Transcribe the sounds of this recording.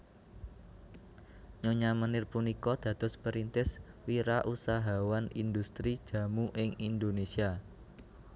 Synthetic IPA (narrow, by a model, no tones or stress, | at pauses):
ɲoɲamənɪrpunikɔd̪̥ä̤d̪̥ɔ̤spəɾint̪ɪswiɾaʔusaɦawanind̪ust̪ɾid̥ʒ̥ä̤muʔɪŋind̪onesia